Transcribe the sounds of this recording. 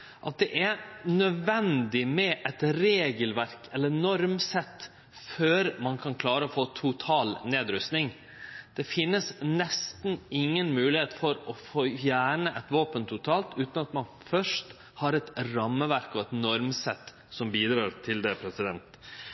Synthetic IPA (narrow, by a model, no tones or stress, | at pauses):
ʔɑt̪̚d̪ɛʔæɾnœd̪ʋɛnd̪ɪmɛʔɛt̪ɾeːɡəlʋæɾkɛlːənɔɾmsɛt̪ː | føːɾmɑnkʰɑnkʰlɑːɾəɔfoːt̪ʰʊt̪ʰɑːlneːd̪ɾʉst̪nɪŋ | d̪̥ɛfɪnːəsnɛst̪n̩ɪŋːənmʉːlɪheːt̪fɔɾɔfoːfjæːɳəʔɛt̪ʋoːpənt̪ʰʊt̪ʰɑːlt̪ʉːt̪nɑt̪mɑnfœʂt | hɑɾɛt̪ɾɑmːəʋæɾkɔɛt̪nɔɾmsɛt̪ː | sɔmbiːd̪ɾɑːɾt̪ʰɪld̪ɛpʰɾɛsɪd̪ɛnt̪